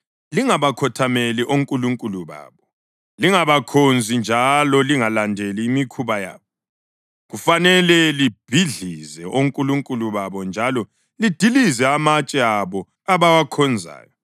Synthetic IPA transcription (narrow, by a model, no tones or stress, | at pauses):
liŋaβakʰɔtʰameliʔoŋkʼuluŋkʼuluβa̰ːβɔ | liŋaβakʰond͡zʱind͡ʒʱalɔliŋalandʱeliːmikʰuβaja̰ːβɔ | ɣufanɛlɛlib̥ʱiɮizɛʔoŋkʼuluŋkʼuluβaβɔnd͡ʒʱalɔ | lid̥ʱilizɛamat͡ʃʼɛaβɔ | aβawakʰɔnd͡zʱa̰ːjɔ